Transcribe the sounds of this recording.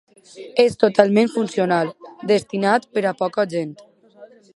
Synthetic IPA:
est̪ot̪alˠmẽɱfunsionalˠd̪est̪inat̪pəɾapɔkəʒent̪

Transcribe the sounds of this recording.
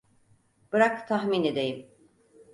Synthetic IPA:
b̥ɯɾakt̪ʰaɦmined̪e̞jim

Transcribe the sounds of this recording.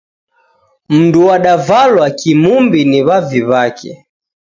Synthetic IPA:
m̩nduwaɗavalwakimumbiniβaviβakʰɛ̰

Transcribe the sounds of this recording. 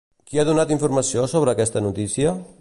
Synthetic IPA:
kiaðunat̪iɱfuɾməsiosoβ̞ɾəːkɛst̪ənut̪isiə

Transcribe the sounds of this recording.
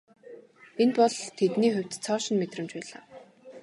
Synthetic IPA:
enpɔɮt̪ʰet̪niːxʊw̥ʲt̪t͡sʰɔːʃɪ̆nmet̪rə̆mt͡ɕpæːɮaː

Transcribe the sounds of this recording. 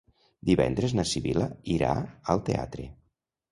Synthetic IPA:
d̪iβɛ̰nd̪ɾeznəsiβiləiɾa̰əlˠt̪ea̰t̪ɾe

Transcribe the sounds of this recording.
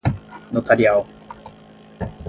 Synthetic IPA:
not̪aɾʲiao

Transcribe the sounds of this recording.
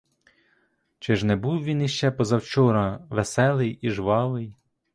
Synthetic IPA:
t͡ʃɪʒnɛbuwʋʲiniʃt͡ʃɛpɔzɐwt͡ʃɔɾɐʋesɛlˠɪjiʒʋɑʋɪj

